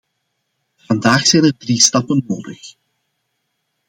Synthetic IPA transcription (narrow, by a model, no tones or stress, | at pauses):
v̥ɑndaːxsɛjnərdristɑpənːoːdəx